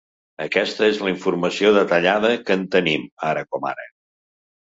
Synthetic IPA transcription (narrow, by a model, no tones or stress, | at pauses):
əkɛst̪əezləiɱfuɾməsioðət̪əʎað̞əkəːnt̪ənimaɾəkɔma̰ɾə̰